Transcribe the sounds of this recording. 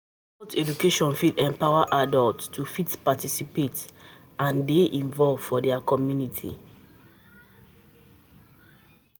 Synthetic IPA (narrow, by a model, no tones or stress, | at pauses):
ɔtɛdukeʃɔ̃nfidɛ̃mpawaʔadaltːufitpatisipet | ãndeʔĩnvɔlvfɔdɛakɔmjunitʰḭ